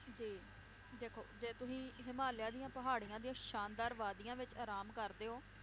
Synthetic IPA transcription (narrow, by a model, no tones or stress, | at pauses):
d͡ʒiː | d̪eːkʰo̰ːd͡ʒeːt̪ʊsĩːɦɪmaːljãːd̪ijãːpəɦaːɽijãːd̪ijãːʃaːnd̪aːɾʋaːd̪ijãːʋɪt͡ʃaːɾaːmkəɾd̪eːɦoː